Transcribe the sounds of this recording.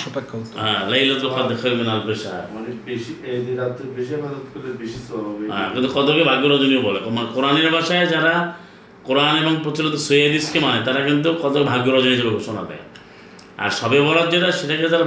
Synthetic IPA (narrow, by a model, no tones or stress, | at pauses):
ʃɔpekʰːɔt̪ɦãlejlɔt̪lopad̪ekʰalbenalpeʃaɦa̰ɾɔnebeʃied̪iɾat̪ːebeʃiɔpad̪ɔt̪koɾeɾbiʃisɔɦɔbeɦã̰kint̪ukɔt̪okebʱaɡjoɾɔd͡ʒoniobɔlekɔmanekoɾaneɾbʱaʃaed͡ʒaɾa | koɾanebɔŋpɾot͡ʃiɾɔt̪ɔsujad̪iskemanet̪aɾakint̪ukɔt̪okebʱaɡjɔɾɔd͡ʒonid͡ʒʰabeɡʱoʃɔna̰d̪ɛ̰ | a̰ɾʃɔbebɔɭad͡ʒeʈaʃeʈaked͡ʒaɾa